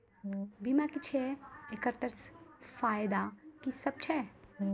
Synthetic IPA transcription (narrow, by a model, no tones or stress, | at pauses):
bimakit͡ʃʰeekəɾt̪əɾsfaːjd̪akisɐb̚t͡ʃʰɛ